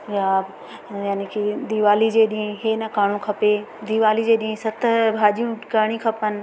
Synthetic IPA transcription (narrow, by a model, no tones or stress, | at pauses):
jaːb | jaːnikʰid̪iʋaːlid͡ʑeːɗĩẽɦeːnɐkaːɽ̃ũkʰɐped̪iʋaːlid͡ʑeːɗĩɦsɐt̪ʰbʱaːʄijũkaːɽ̃ikʰɐpənɪ̆